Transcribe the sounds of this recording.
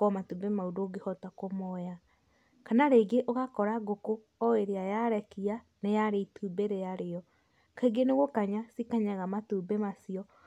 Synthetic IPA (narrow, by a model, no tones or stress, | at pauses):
kɔmatubemaudoɡehɔtakomɔja | kanaɾeːɡeʔoɣakɔɾaɡoko | ɔeɾeajaɾɛkia | nejaɾeitubeɾeaɾeɔ | kaiɡeneɣokaɲasikaɲaɣamatuːbemasiɔ